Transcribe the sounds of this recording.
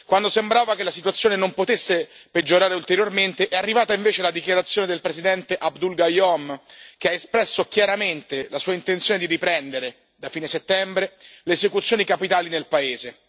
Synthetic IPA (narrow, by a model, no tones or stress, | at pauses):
kwand̪osembɾaːvakelːasit̪̬wat̪sjoːnenompot̪esːeped͡ʒːoɾaːɾeult̪eɾjorment̪eʔɛarːivaːt̪aiɱveːt͡ʃealad̪ikjaɾat̪sːjoːned̪elpɾezid̪ɛnt̪eʔabd̪ulɡajɔmkeaespɾɛsːokjaɾament̪elasuːaint̪ent̪sjoːned̪iɾipɾɛnd̪eɾe | d̪afiːneset̪ːɛmbɾeleːzekut̪sjoːnikapit̪aːlinelpaeːze